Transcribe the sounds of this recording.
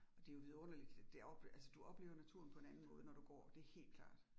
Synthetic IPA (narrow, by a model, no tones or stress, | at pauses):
ɒ̽d̥e̝jo̝ʋiðˠɔ̽nɐlid̥d̥e̝ɒb̥ælsəd̥uɒ̽b̥le̝̰ʊɐnæt͡sʰuɐ̰n̩pʰɒe̝nænn̩mɔ̽ːðˠənɒd̥uɡ̥ɒ̰ːd̥e̝æɐhe̝̰ːld̥̚kʰl̥ɑ̰̈ːd̥